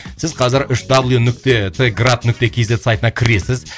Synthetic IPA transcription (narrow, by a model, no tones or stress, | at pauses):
sɪzqʰɑzɪɾʏʃd̪abəlˠjunʏk̚t̪e̞t̪ʰeɡrat̪nʏk̚t̪e̞kʲʰe̞ze̞t̪sajt̪ənɑkʲʰɪɾe̞sɪz